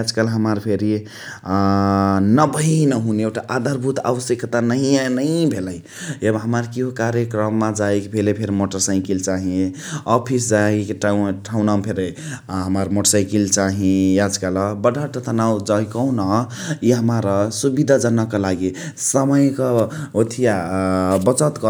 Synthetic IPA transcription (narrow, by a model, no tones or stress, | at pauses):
ad͡ʒkəlɦəmaɾpʰeɾi | nəbəinəɦuneoʈaʔad̪ʱaɾbʱut̪a̰ʋəsjəkt̪anəɦianəĩbʱeləj | ebɦəmaɾkiɦokaɾjekɾəmːad͡ʒaekbʱelepʰeɾmoʈəɾsãɪ̃kilt͡ʃaɦĩ | ɔpʰisd͡ʒaekʈʈʰaunaupʰeɾeɦəməɾmoʈɾsãɪkilt͡ʃaɦĩjad͡ʒkaləbəɖʱaʈət̪ʰənawd͡ʒaikəwnəiɦəmaɾəsubid̪ʱad͡ʒənəkelaɡisəməjkəot̪ʰijabət͡ʃət̪kɔ